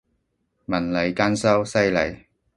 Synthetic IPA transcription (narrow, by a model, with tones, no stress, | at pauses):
mɐ˨˩nlɐ˨jkaː˥nsɐ˥wsɐ˥jlɐ˨˥j